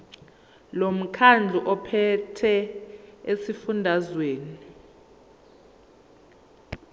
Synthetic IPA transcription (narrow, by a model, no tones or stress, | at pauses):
lom̩kʰand͡ɮʱuʔɔpʰɛtʰɛ | esifundʱazweːni